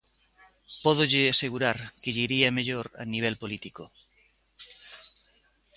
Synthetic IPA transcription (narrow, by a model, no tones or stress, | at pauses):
poð̞oʎeaseɣ̞uɾaɾkeʎiɾiameʎoɾa̰niβ̞elpolit̪iko